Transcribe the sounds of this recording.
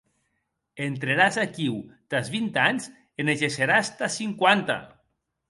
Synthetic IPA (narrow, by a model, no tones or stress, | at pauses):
ent̪ɾeɾazakiwt̪azβint̪aɲz | eneʒeseɾast̪asiŋkwant̪a̰